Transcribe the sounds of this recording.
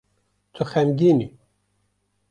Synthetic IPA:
t̪ʰɨxɛmɡʲini

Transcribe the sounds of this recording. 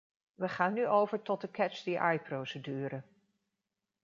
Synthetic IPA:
ʋəχaːnːyʔowvəɹtɔt̚dəkɛt͡ʃdiʔajprowsədyːɾə

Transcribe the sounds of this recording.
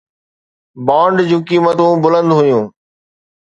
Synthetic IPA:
baːɳɖd͡ʑũːkiːmət̪ũbʊlə̃nd̪ɦʊjũː

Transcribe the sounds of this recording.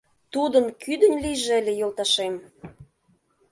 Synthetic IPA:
t̪ud̪ənkyd̪ə̆nʲlijʒeelʲejolˠt̪ɑʃem

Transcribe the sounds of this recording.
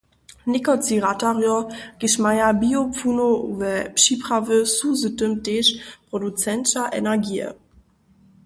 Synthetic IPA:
nikot͡siʁataʁjɔɡ̥iʃmajabiopp͡funovɛpʃipʁavəsuzətəmteːʃpʁ̥odut͡sɛnʃaʔɛ̰nɛɐɡiːə̰

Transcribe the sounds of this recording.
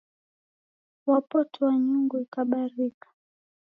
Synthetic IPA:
wapɔtʰɔwaɲuŋɡuikaɓaɾikḁ

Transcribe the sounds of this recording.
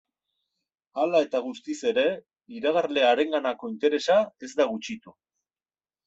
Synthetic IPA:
alae̞t̪aɣ̞ust̪ise̞ɾe̞ | iɾaɣ̞aɾle̞aɾe̞ŋɡanako̞int̪e̞ɾe̞sae̞zd̪aɣut͡ʃit̪u

